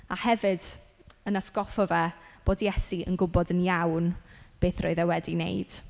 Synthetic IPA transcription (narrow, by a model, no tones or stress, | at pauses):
ahɛvɨd̥ | ənasɡ̥ɔfɔvɛb̥oːdjɛsiə̰nɡʊbɔdənjawnb̥eːθroɨðɛwɛdinḛjd̥